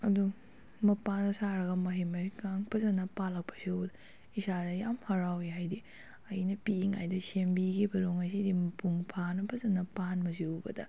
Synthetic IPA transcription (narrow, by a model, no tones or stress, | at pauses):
ɐdu | mɐpanɐsaɾɐɡɐmɐɦemɐkaŋpʰɐzɐnɐpalɐk̚pʰɐ̥siud | isadɐjamhɐɾawiɦajdi | ɐ̰jnɐpiiŋajdɐsembiɡibɐɾoŋɐs̬idimɐpuŋpʰanɐpʰɐzɐnɐpanbɐsiubɐ̰dɐ̰